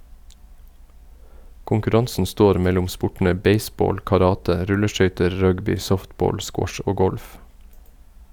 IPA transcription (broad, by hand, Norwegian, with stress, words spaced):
kʊŋkʉˈɾɑnsn̩ ˈstoːɾ ˈmɛlʊm ˈspʊʈɳ̩ə ˈbeɪˌsboːl kɑˈɾɑːtə ˈɾʉləˌʃœʏtəɹ ˈɹœɡbɪ ˈsɔftˌboːl ˈskwɔʃ ə ˈoː ˈɡɔlf